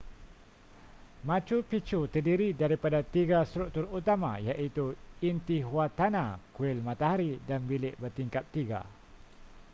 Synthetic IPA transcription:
mãt͡ʃupit͡ʃut̪ərdiɾidaɾipadat̪iɡast̪ɾuk̚t̪ʊrut̪ama̰jaʔit̪uint̪iɦwat̪anãkuɪlmãt̪aɦaɾidanbilɪʔbərt̪iŋkap̚t̪iɡa̰

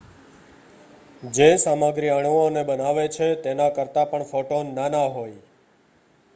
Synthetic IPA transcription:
d͡ʒesamaɡɾiəɳʋonebənaʋet͡ʃʰet̪enakəɾt̪apəɳfoʈonːanaɦoj

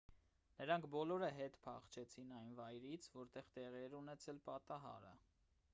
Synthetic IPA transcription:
nəɾɑŋkʰbɔlɔɾəɦɛt̪pʰɑ̰χt͡ʃʰɛt͡sʰinɑjnvɑjɾit͡sʰvɔɾt̪ɛʁt̪ɛʁiɛɾunɛt͡sʰɛlpɑt̪ɑɦɑ̰ɾə̰

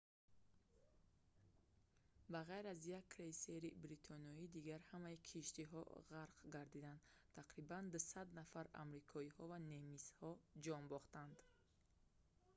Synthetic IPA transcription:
baʁajɾazjakʰːɾejseɾibɾit̪ʰɔniɔid̪iɡaɾhamaikʰiʃt̪iɦɔ̰ʁaɾqɡaɾd̪id̪and̪t̪ʰaqɾiband̪usad̪nafaɾa̰mɾikʰɔihɔvanemishɔd͡ʒɔnbɔχt̪and̪

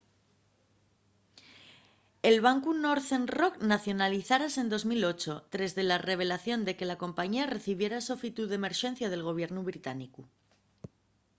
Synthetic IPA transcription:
e̞lβ̞aŋkuno̞ɾθenro̞knaθjo̞naliθaɾase̞nd̪o̞zmilo̞t͡ʃo̞t̪ɾe̞zðe̞lare̞β̞e̞laθjo̞nd̪e̞ke̞lako̞mpaɲiare̞θiβ̞je̞ɾaso̞fit̪uðeme̞ɾʃẽ̞n̟θjað̞e̞lɣ̞o̞β̞je̞ɾnuβɾit̪aniku

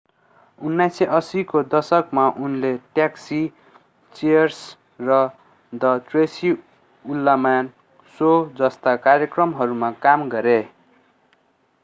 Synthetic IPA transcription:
unːajseʔʌsikod̪ʌsʌkmaʔunleʈjaksi | t͡siʌrs | rʌ | d̪ʌʈresi | ulːaman | sod͡zʌst̪akaɾjʌkrʌmɦʌɾumakamɡʌɾe

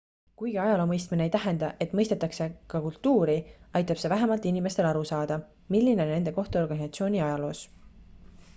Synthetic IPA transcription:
kujɡ̥iɑjɑlo̞ːmɤjst̪mineejt̪æɦend̪ɑʔe̞t̪ːˑmɤjst̪e̞t̪ːˑɑkse̞kɑkult̪ːuːɾiɑjt̪ːˑɑb̥se̞væɦemɑlt̪inime̞st̪e̞lɑɾusɑːd̪̥ɑ | milːinene̞nd̪e̞ko̞ht̪uo̞rɡ̥ɑnisɑt̪sio̞ːnʲiɑjɑlo̞ːs

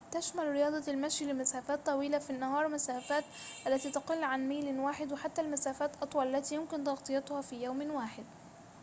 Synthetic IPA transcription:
t̪aʃmalɾɪjɑːd̪ˤɑlmaʃjlɪmasaːfaːt̪ˤːɑwiːlafinːɑhɑːɾˤmasaːfaːt̪ | ʔalːat̪iːt̪ɑqɪlːʕanmaːlwaːħɪd̪wɪħat̪ːalmasaːfaːt̪ʔɑt̪ˤwɑlʔalːat̪iːjʊmkɪnt̪ɑɣt̪ˤɨjɑt̪ˤʊhaːfiːjawmwaːħɪd̪̚

